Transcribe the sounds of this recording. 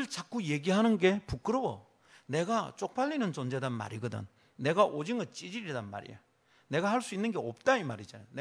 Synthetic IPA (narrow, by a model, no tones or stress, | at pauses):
ɯɭt͡ɕak͈uje̞ɡiɦanɯnɡe̞puk͈ɯɾowo | ne̞ɡat͡ɕ͈ok̚p͈aʎːinɯnt͡ɕond͡ʑe̞danma̰ɾiɡɯdɯ̰n | ne̞ɡaʔod͡ʑiŋɯɭt͡ɕ͈id͡ʑiɾidanma̰ɾḭjo | ne̞ɡahaɭs͈uinːɯnɡe̞op̚t͈aimaɾid͡ʑanone